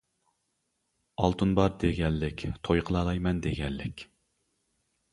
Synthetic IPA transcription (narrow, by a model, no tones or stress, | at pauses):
ɑlˠt̪ʰunbɑɾd̪eɡʲɛlːɪkʲt̪ʰojqʰəlˠɑːlˠɑjmɛnd̪eɡʲɛlːɪkʲ